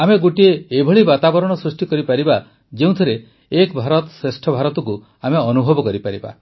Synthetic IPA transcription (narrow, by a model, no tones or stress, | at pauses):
ameɡuʈieːbʱɔɭibat̪abɔɾɔɽ̃ɔsɾusʈikɔɾipaɾiba | d͡ʒeũt̪ʰiɾeː | kbʱaɾɔt̪ɔsɾesʈʰɔbʱaɾɔt̪ɔku | ameɔnubʱɔbɔkɔɾipaɾiba̰